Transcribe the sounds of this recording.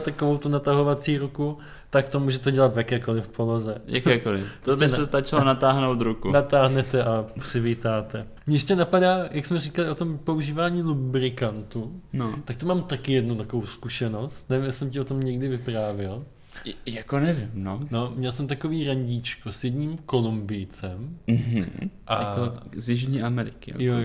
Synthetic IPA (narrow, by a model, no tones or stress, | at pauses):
t̪akovowt̪unat̪aɦo̞vat͡siːɾuku | t̪ak̚t̪omuːʒɛt̪ɛɟɛlat̪vjakɛːko̞lɪfpolozɛja̰kɛːkolɪft̪obɪsɛst̪at͡ʃɪlonat̪aːɦnowt̪ɾukunat̪aːɦnɛt̪ɛʔapr̝̥ɪviːt̪aːt̪ɛ | mɲɛjɛʃcɛnapadaːjaksmɛriːkalɪʔot̪o̞mpo̞uʒiːvaːɲiːlubɾɪkant̪unot̪akt̪umaːmt̪akɪjɛdnut̪akovowskuʃɛno̞st̪nɛvɪmjɛsɪsɛmcɪo̞t̪o̞mɲɛɡdɪvɪpɾaːvjɪl | jakonɛvɪmnono̞mɲɛlsɛmt̪ako̞viːɾaɲɟiːt͡ʃkosjɛdɲiːmko̞lumbɪjt͡sɛmm̩ɦ̩ʔajakozjɪʒɲiːʔamɛɾɪkɪa̰joj